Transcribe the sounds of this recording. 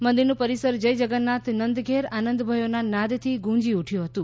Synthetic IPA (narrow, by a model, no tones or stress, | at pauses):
mənd̪iɾnũpəɾisəɾd͡ʒəjd͡ʒəɡənːat̪nənd̪ɡʱeɾanə̃nd̪bʱəjonanad̪t̪ʰiɡũd͡ʒiuʈʰjũɦət̪ũ